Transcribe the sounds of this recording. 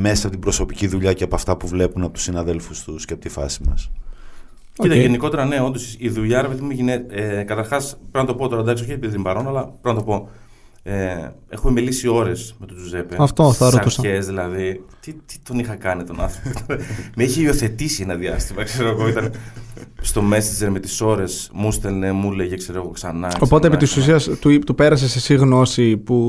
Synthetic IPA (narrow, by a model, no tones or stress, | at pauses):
mesɐpot̪ibɾo̞so̞piciðuʎɐceɐpoɐft̪ɐpuvle̞punɐpot̪u̥sinɐðe̞lfust̪usceɐpot̪ifɐ̰simɐ̰s | cit̪ɐʝeniko̞t̪e̞ɾɐne̞o̞nd̪osiðuʎɐɾepeðimeʝineekɐt̪ɐɾxɐspeɾnɐt̪o̞po̞t̪o̞ɾɐd̪ɐks̬oçet̪ibiðɾimbɐɾo̞nɐlɐppenɐt̪̬o̞po̞ | e | e̞xume̞melisio̞ɾe̞smet̪ut̪uzepeɐft̪oθɐɾot̪usɐezðilɐðit̪it̪i̥t̪o̞nixɐkɐnit̪o̞nɐ̰nθɾopokt̪ɐnemeiçeio̞θe̞t̪isienɐðiɐst̪imɐkseɾoɐɣoit̪ɐnest̪o̞me̞sid͡ʒe̞ɾme̞t̪iso̞ɾe̞smust̪elnemuleʝekse̞ɾoɣo̞ksɐnɐo̞po̞t̪epit̪isus̬iɐst̪ut̪upe̞ɾɐs̬esesiɣno̞sipu